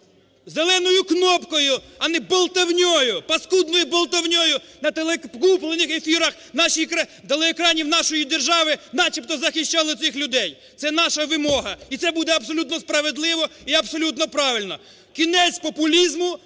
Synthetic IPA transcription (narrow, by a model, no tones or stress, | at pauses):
zelˠɛnɔjʊknɔpkɔjʊɐnɛbɔlˠt̪ɐwnʲɔjʊpɐskud̪̚nɔjʊbɔlˠt̪ɐwnʲɔjʊ | nɐt̪elˠkuplˠenɪxefʲiɾɐx | nɑʃikt̪elˠeekɾɑnʲiwnɑʃɔjid̪erʒɑʋɪnɑt͡ʃip̚t̪ɔzɐxɪʃt͡ʃɑlˠɔt̪sɪxlʲʊd̪ɛj | t̪sɛnɑʃɐʋɪmɔɦɐit̪sɛbud̪ɛɐbsɔlʲut̪nɔspɾɐʋed̪lˠɪʋɔiɐbsɔlʲut̪nɔpɾɑʋɪlʲnɔ | kʲinɛt͡sʲpɔpʊlʲizmʊ